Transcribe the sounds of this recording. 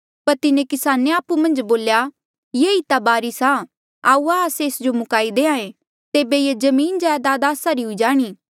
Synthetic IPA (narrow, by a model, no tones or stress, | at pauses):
pɐɾt̪ɪnẽkɪsaːneaːpumɐ̃nd͡ʒboːlja | jeːit̪abaːɾisa | aːuaseːsd͡ʒomʊkaːid̪eːãːẽ | t̪eːbejed͡ʒɐmiːnd͡ʒaːd̪aːd̪aːsaɾiɦʊid͡ʒaːɽ̃iː